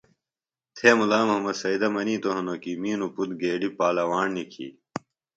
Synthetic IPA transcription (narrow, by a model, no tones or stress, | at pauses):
t̪ʰeːmulaːmɐɦɐmɐd̪sɐid̪ɐmɐniːt̪oɦɐnokimiːnuput̪ɡeːɖipaːlɐwaːɳnikʰḭː